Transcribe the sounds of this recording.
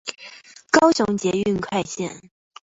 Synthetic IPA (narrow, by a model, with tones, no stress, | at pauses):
kɑ˥ʊɕʊ˧˥ŋt͡ɕjɛ˧˥y˥˧nkʰwa˥˧ɪɕjɛ˥˩˨n